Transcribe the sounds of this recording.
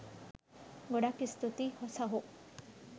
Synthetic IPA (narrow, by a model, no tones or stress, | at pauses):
ɡɔɽakist̪ut̪ihɔsaɦo